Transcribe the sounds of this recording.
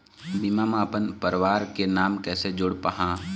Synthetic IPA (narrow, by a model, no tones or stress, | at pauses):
bimaːmaːpənpəɾʋaːɾkenaːmkɛːsed͡ʒʊɽpəɦãː